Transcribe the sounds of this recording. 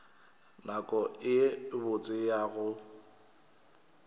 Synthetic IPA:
nakʼɔɪɪbʊt͡sʼɪjaɣʊ

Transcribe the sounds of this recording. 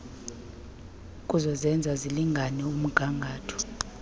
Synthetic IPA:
kʼuzɔzɛnd͡zʱaziliŋɡʱanɛum̩ɡ̥ʱaŋɡʱaːtʰɔ̥

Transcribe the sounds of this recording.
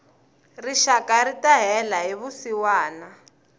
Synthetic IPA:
riʃakaritaɦɛlaɦiβusiwaːna

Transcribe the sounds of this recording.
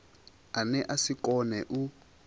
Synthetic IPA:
anɛʔasikɔnɛʔu

